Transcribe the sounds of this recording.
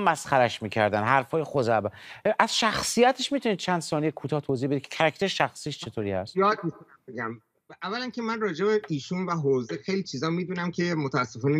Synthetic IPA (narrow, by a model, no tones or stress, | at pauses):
mːæsχæɾæʃmiːcʰæ̰ɾd̪ænɦæɾfɒːjexozæbæʔæz̥ʃæxsijæt̪ʰeʃmit̪uniːd̪̚t͡ʃʰænd̪̥sɒːnijekʰuːt̪ʰɒːht̪ʰozihbe̞d̪i̥cʰe̥cʰæɾæcʰt̪eɾeʃæxsiːʃt͡ʃʰe̞t̪ʰoːɾiːhæ̰st̪jɒːd̪̚mikʰonæmbeɡæm | ʔævːælæncʰe̞mænrɒːd͡ʒebeiːʃunvæɦoːzexejlit͡ʃʰiːzɒːmiːd̪uːnæmcʰe̞mot̪ʰæːsːefɒːne